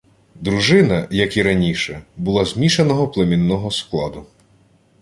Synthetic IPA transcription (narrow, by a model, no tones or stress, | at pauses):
d̪ɾuʒɪnɐjɐkiɾɐnʲiʃɛbʊlˠɑzmʲiʃenɔɦɔplˠemʲinːɔɦɔsklˠɑd̪ʊ